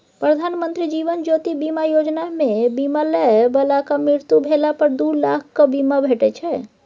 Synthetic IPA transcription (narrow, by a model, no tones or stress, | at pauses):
pɾəd̪ʱanmənt̪ɾid͡ʒiʋənd͡ʒot̪ibimajod͡ʒnamebimalɛbəlakamɾiɾt̪ubʱelapəɾd̪uɾlakʰkəbimabʱeʈɛt͡ʃʰɛ